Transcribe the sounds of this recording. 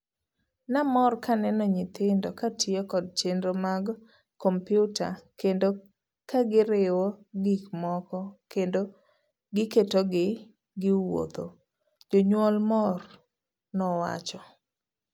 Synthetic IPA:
namɔrkanɛnɔɲɪt̪ɪndɔkatʰɪɔkɔd̚t͡ʃendɾomaɡ | kɔmpjʊta̰kendo | kaɡɪɾɪwɔɡikmɔkɔkendo | ɡɪketoɡɪ | ɡɪwo̰t̪o̰ | d͡ʒoɲwɔlmɔr | nɔwa̰t͡ʃɔ

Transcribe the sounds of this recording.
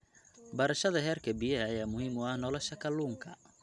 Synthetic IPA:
bɐɾɐʃɐðɐɦɛːrkʰɐbijɛɐjaːmʊhiːmʊɐhnɔːlɔʃɐkʰɐluːŋkʰɐ

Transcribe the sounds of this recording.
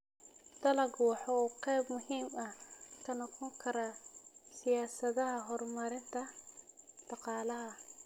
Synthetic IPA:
d̪̥ɐlɐɡwɑħɑuːqɛjbmʊhiːmɐhkʰɐnɐqɔŋkʰɐɾasɪjaːsɐðɐɦɐɦɔrmɐɾɪnt̪ʰɐ | d̪̥ɑqɑːlɐɦɐ

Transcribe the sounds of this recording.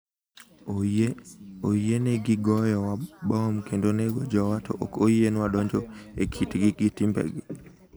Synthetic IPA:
ojeneɡɪɡɔjɔwabɔmkʰendoneɡod͡ʒɔwatʰɔ̰ʔɔkojenwadɔɲd͡ʒɔekʰitɡɪɡitimbɛ̰ɡ

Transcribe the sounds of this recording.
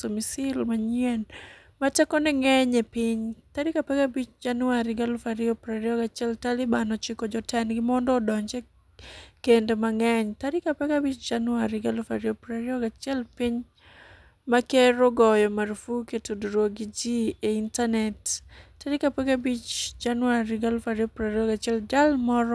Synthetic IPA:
omisɪlmaɲɛn | matɛkɔnɛŋɛɲɛpiɲtaɾikapɛɡabit͡ʃd͡ʒanuaɾɪɡalfaɾiopɾaɾiɔɡat͡ʃiɛltalɪbanɔt͡ʃɪkɔd͡ʒɔtɛnɡɪmɔndɔːdɔɲd͡ʒɛ | kendemaŋɛɲtaɾɪkapɛɡabit͡ʃd͡ʒanwaɾɪɡalfaɾiopɾaɾiɔɡat͡ʃɛlpiɲ | makeɾɔɡɔjɔmaɾfuketuduɾwoɡid͡ʒieintanɛtːaɾɪkapɛɡabit͡ʃd͡ʒanʊaɾɪɡalfaɾiopɾaɾiɔɡat͡ʃɛld͡ʒalmɔɾɔ

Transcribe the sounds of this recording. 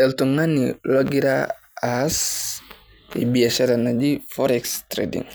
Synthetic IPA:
ɛltuŋaniloɡiɾa̰ | as | ḭbiasɛɾanad͡ʒifɔɾɛkstɾḛdḭŋ

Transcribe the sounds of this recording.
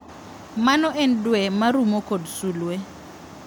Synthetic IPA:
manɔʔen̩dwɛmarumɔkʼodusuːlwɛ

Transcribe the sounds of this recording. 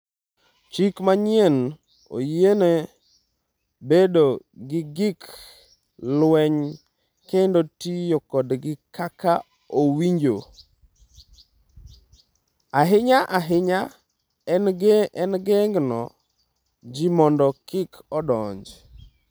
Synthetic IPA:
t͡ʃikmaɲjɛn | o̰jene | bedo | ɡɪɡɪk | lwɛɲ | kendotijokɔdɡɪkaka | owiɲd͡ʒo̰ | aɦɪɲaʔaɦɪɲa | ɛnɡɛŋɡnɔ̰ | d͡ʒimɔndɔkɪkɔdɔɲd͡ʒ

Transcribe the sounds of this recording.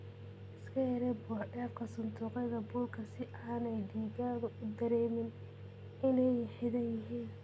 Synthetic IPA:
ɪskʰɐjɐɾɛbɔːɖɛːfkʰɐsʊnt̪ʰuːqɛjðɐbuːlkʰɐsɪʔaːnɛjd̪iːɣaːðʊʔʊd̪ɐɾɛːmɪn | ɪnɛjħɪðɐnjɪɦiːn

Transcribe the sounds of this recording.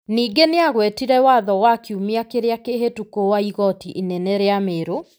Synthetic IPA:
niːɡeneaɣwɛtiɾɛwaðɔwakiumiakeɾeakeɦetukowaiɣɔtiʔinɛnɛɾeameːɾo

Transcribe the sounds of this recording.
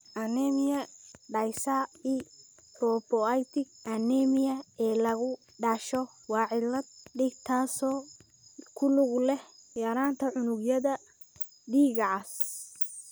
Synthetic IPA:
ʔɐnɛmɪjɐɖɐjsɐiː | pʰrɔːpɔajt̪ʰɪɡʔɐnɛmɪjɐɛːlɐɣʊ | ɖaːʃɔ | wɑːʕɪlɐd̪ɖɪɡt̪ʰaːsɔː | kʰʊlʊɣlɛhjɐɾaːnt̪ʰɐʕʊnʊɡjɐðɐ | ɖiːɣɐʕas

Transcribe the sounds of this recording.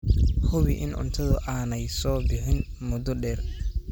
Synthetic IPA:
hʊβɪʔɪ̰nʔʊ̰nt̪ʰɐðʊʔaːnɛjsɔːbɪħɪn | mʊd̪ɔɖɛːr

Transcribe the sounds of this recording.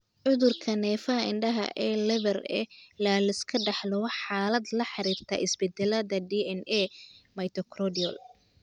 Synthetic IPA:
ʕʊðʊrkʰɐnɛːfɐɦɐɪɳɖɐɦɐ̰ʔɛːlɛβɛrɛ̰laːlɐɪskʰɐɖɑħlɔħaːlɐd̪lɐħɑɾiːrt̪ʰɐ̰ʔɪsbɛd̪ɛlɐðɐɖiːɛnɛmɐjt̪ʰɔkʰrɔdiɔ̰l

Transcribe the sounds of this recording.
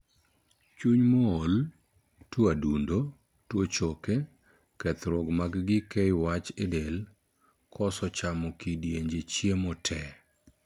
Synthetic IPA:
t͡ʃuɲmɔol | twɔadundo | twot͡ʃoke | kɛt̪ɾɔɡmaɡɡɪkɛjwat͡ʃɪdel | kɔsɔt͡ʃamɔkidjeɲd͡ʒet͡ʃjemɔtʰɛ

